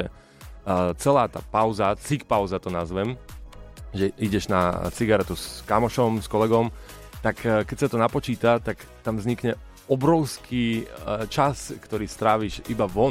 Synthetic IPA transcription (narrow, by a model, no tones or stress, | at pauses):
ɛ | t͡sɛlaːt̪a̰ːpaʊzat͡sik̚paʊzat̪ɔnazʋɛm | ʒɛʔiɟɛʒnat͡siɡaɾɛt̪uskamɔʃɔmskɔlɛɡɔm | t̪akːkɛcsat̪ɔnapɔt͡ʃiːt̪at̪akt̪amvzɲikɲɛ | ɔbɾɔʊskʰiːt͡ʃaskt̪ɔɾiːst̪ɾaːʋiːʃibaʋɔ